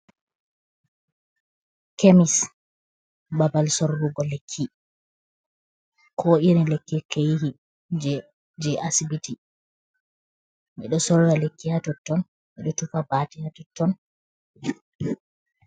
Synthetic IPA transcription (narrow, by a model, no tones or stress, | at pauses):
kʰemis | babalsɔɾɾuɡɔlekʰːi | kʰɔʔiɾilekːikejihi | d͡ʒ | d͡ʒɛʔasibiti | ʔɛ̰ɗɔsɔɾɾalekːihatɔtːɔn | ʔiɗɔtufabatihatɔtːɔn